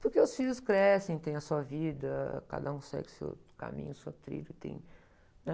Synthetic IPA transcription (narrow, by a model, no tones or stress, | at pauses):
poɾkeʊsfiʎʊskɾɛsẽj̃t̪ẽj̃ɐsuɐvid̪ɐka̰d̪ɐũksɛ̰ɡɪsḛwka̰mḭ̃ɲʊset̪ɾḭlʊt̪ḛ̃j̃ | nɛ